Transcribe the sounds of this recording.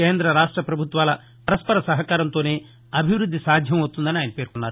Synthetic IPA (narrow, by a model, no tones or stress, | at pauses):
eːnd̪ɾɐɾaːʂʈɾɐpɾɐbʱut̪ʋaːlɐ | ɐɾɐspɐɾɐsɐɦɐkaːɾɐnt̪o̞ːne̞ː | ɐbʱiʋɾud̪ːisaːd̪ʱjɐmɐst̪und̪ɐniaːjnɐpeːɾkunːaːɾu